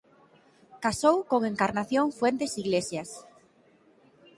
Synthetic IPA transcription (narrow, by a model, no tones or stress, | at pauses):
kasowkoŋeŋkaɾnaθjoŋfwent̪esiɣlesjas